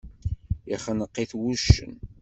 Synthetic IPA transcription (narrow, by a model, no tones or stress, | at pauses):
iχənəqːiθwuʃːə̰n